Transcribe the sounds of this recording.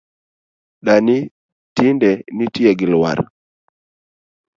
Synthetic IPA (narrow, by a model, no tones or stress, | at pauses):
ɗani | tindɛnitjɛɡɪlwa̰ɾ